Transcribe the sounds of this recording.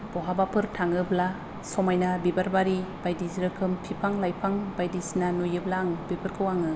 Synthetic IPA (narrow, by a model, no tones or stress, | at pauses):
b̥ɔɦabapʰɯɾtʰaŋɯbla | sɔmajnabibaɾbaɾib̥ajdiziɾɯkʰɯmpʰipʰaŋlajpʰaŋbajdisinanujɯblaŋbipʰɯɾkʰɯwaŋɯ